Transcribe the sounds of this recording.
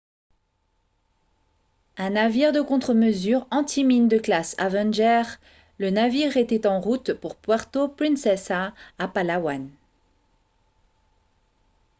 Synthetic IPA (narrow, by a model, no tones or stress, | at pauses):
ɛ̃naviʁd̪əkɔ̃t̪χəməzyʁɑ̃t̪ʰimind̪əklasa̰vɛ̃nʒɛʁ | lənaviʁet̪ɛt̪ɑ̃ʁut̪puʁpwaʁt̪opχĩnsɛsaːpalawan